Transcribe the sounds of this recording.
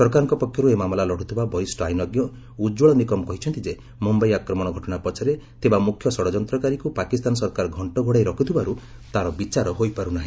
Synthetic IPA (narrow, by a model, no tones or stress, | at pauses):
sɔɾkaɾɔŋkɔpɔkʰjɔɾuemamɔlalɔɽ̤ut̪ʰibabɔɾisʈajnɔɡjɔ | ud͡ʒuɭɔnikɔmɔkɔɦit͡ʃʰɔnt̪id͡ʒe | mumbɔjakɾɔmɔɽ̃ɔɡʱɔʈɔɽapɔt͡ʃʰaɾet̪ebamukʰːjɔsɔɽɔd͡ʒɔnt̪ɾɔkaɾikupakist̪anɔs̬ɔɾkaɾɔɡʱɔɳʈɔɡʱoɽajɾɔkʰut̪ʰibaɾu | t̪aɾɔbit͡ʃaɾɔɦojpaɾunaɦĩ